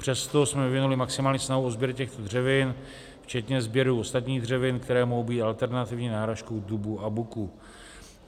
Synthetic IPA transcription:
pr̝̥ɛst̪o̞smɛvɪvɪnulɪmaksɪmaːlɲiːsnaɦuo̞zbjɛɾcɛxt̪odr̝ɛvɪn | ft͡ʃɛt̪ɲɛzbjɛɾuːo̞st̪at̪ɲiːdr̝ɛvɪnkt̪ɛɾɛːmoɦowbiːt̪ʔalt̪ɛɾnat̪ɪvɲiːnaːɦɾaʃko̞wdubuʔabuku

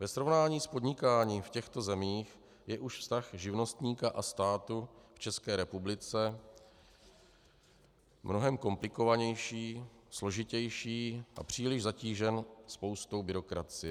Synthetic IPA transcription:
vɛsɾo̞vnaːɲiːspod̪ɲɪkaːɲiːmfcɛxt̪o̞zɛmiːx | jɛʔuʃfst̪axʒɪvno̞st̪ɲiːkaʔast̪aːt̪uft͡ʃɛskɛːɾɛpublɪt͡sɛ | mno̞ɦɛmko̞mplɪko̞vaɲɛjʃiːslo̞ʒɪcɛjʃiːʔa̰pr̝̥iːlɪʒzaciːʒɛnspo̞wst̪o̞wbɪɾo̞kɾat͡sɪjɛ

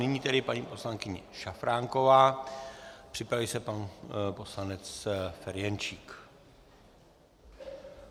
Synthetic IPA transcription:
nɪɲiːt̪ɛdɪpaɲiːpo̞slaŋkɪɲɛʃafɾaːŋko̞vaː | pr̥ɪpɾavisɛpanpo̞slanɛt͡sfɛɾjɛnt͡ʃiːk

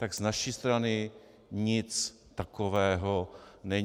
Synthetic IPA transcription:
t̪aɡz̥naʃist̪ɾanɪ | ɲɪt͡s | t̪akovɛːɦonɛɲ

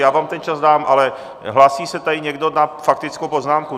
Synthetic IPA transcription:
jaːvaːmt̪ɛnt͡ʃazdaːmʔalɛ | ɦlaːsiːsɛt̪adɪɲɛɡdonafak̚t̪ɪt͡skowpo̞znaːmku

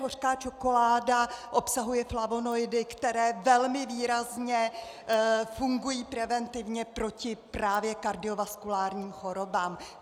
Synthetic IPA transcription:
ɦor̥skaːt͡ʃo̞ko̞laːdaʔo̞psaɦujɛflavo̞no̞jdɪkt̪ɛɾɛːvɛlmɪviːɾazɲɛ | fuŋɡujiːpɾɛvɛnt̪ɪvɲɛpɾo̞cɪpɾaːvjɛkaɾdɪo̞vaskulaːɾɲiːmxo̞ɾo̞baːm

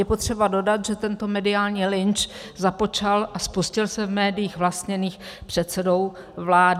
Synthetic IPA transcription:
jɛpo̞t̪r̝̥ɛbado̞dat̪ʒɛt̪ɛnt̪o̞mɛdɪaːlɲiːlɪnt͡ʃ | zapo̞t͡ʃalʔaspuscɪlsɛvmɛːdɪjiːxvlast̪ɲɛniːxpr̝̥ɛt̪t͡sɛdo̞w | vlaːd

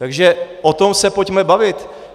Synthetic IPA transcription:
t̪aɡʒɛʔot̪o̞msɛpocmɛbavɪt̪

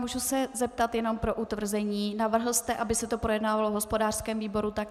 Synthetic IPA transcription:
muːʒusɛzɛp̚t̪at̪jɛno̞mpɾo̞ʔut̪vr̩zɛɲiːnavr̩ɦl̩st̪ɛʔabɪsɛt̪o̞pɾo̞jɛdnaːvalovɦospo̞daːr̥skɛːmviːbo̞ɾut̪ak

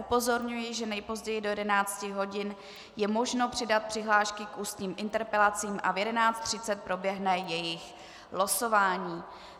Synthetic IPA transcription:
ʔupo̞zo̞ɾɲujɪʒɛnɛjpo̞zɟɛjɪdo̞jɛdɛnaːt͡scɪɦo̞ɟɪn | jɛmo̞ʒno̞pr̝̥ɪdat̪̚pr̥ɪɦlaːʃkɪkʔuːst̪ɲiːmʔɪnt̪ɛɾpɛlat͡siːmʔa̰vjɛdɛnaːt͡st̪r̝̥ɪt͡sɛt̪̚pɾo̞bjɛɦnɛjɛjɪx | loso̞vaːɲiː

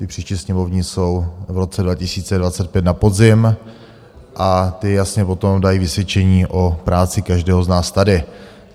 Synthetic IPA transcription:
t̪ɪpr̝̥iːʃcɪsɲɛmo̞vɲɪso̞wvɾo̞t͡sɛdvacɪsiːt͡sɛdvat͡sɛt̪̚pjɛt̪napod̪zɪm | ʔat̪ɪjasɲɛpo̞t̪o̞mdajiːvɪsvʲjɛt͡ʃɛɲiːʔo̞pɾaːt͡sɪkaʒdɛːɦoznaːst̪adɪ

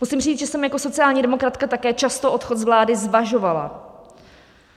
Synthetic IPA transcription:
musimriːt͡sʒ̥ɛsɛmjako̞so̞t͡sɪaːlɲiːdɛmo̞kɾat̪kat̪akɛːt͡ʃast̪oʔo̞t̪xo̞t̪zvlaːdɪzvaʒo̞vala̰

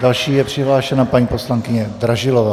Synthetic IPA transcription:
d̥alʃiːjɛpr̥ɪɦlaːʃɛnapaɲiːposlaŋkɪɲɛd̪ɾaʒɪlova

